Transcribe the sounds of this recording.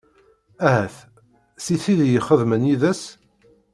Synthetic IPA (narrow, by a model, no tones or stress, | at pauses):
æhæθ | siθiðjəχəðmənjiðæs